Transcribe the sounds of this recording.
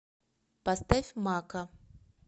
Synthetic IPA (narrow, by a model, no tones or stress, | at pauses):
past̪afʲmakɐ